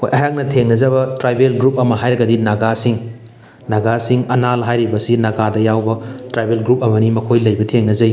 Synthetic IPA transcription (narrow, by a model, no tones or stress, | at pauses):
hojʔɐjak̚nɐtʰeŋnɐzɐbɐtɾajbelɡɾup̚ɐmɐɦajɾɐɡɐdinaɡasiŋ | naɡasiŋɐnalɦajɾibɐsinɐɡadɐjawbɐtɾajbelɡɾup̚ɐmɐnimɐkʰojlɐjbɐtʰeŋnɐzɐj